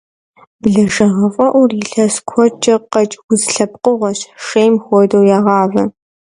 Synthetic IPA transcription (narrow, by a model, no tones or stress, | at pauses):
bɮɐʒɐʁɐfʼɐʔʷʊrjɪɬɐskʷʰɔt͡ʃʼɐqɐt͡ʃʼwʊzɬɐp̚qʼʊʁʷɔɕʂejmxʷɔdowjaːʁɑːvɐ